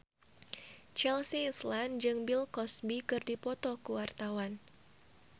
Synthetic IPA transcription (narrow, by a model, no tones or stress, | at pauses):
t͡ʃɛlsisland͡ʒɨŋbilkɔsbikɨrdipɔt̪ɔkuwart̪awan